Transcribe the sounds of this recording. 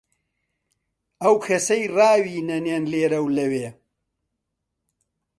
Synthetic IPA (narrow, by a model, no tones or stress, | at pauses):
ɐwkʰɐsɐjrɑːwiːnɐnjenleːɾɐwlɐweː